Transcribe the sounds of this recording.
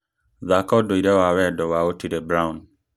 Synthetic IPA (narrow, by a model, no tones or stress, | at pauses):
ðakɔdoiɾɛwawɛdɔwaotiɾebɾaũn